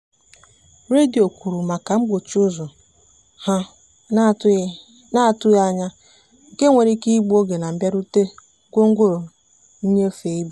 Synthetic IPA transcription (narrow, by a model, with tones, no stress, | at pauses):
ɾe˦di˨o˨kʷu˨ɾu˨ma˨ka˨ŋ͡m̩˦ɡ͡bo˨t͡ʃʊ˦zʊ˨ | ha˦ | na˦˨tʊ˦ja˦˨ɲa˦ | ŋ̩˨ke˦ŋʷe˨ɾi˦ki˦ɡ͡bu˦o˦ɡe˨na˨m̩˨ba˦ɾu˦te˦ | kʷo˦ŋ̩˦ɡʷo˦ɾo˨ | n̩˦ɲe˦fe˨i˦b